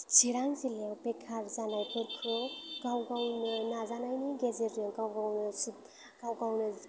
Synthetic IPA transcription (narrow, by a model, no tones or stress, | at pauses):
t͡siɾaŋsilawpekʰːaɾd͡zanajpeɾkʰoɡawɡawnɯnad͡zanajniɡezeɾjoɡawɡawnɯsu | ɡ̥awɡawnɯ